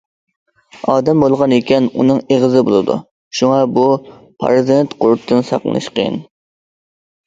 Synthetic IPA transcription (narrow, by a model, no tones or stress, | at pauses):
ɑːd̪ɛmbolˠʁɑnekʲɛnṵnɨŋeʁɨzɨbolˠɨd̪ṵ | ʃuŋɑbu | pʰɑ̰ɾzent̪qoɾt̪ʰːɨnsɑ̰qlˠɨ̰nɨ̰ʃqʰəjɪ̰n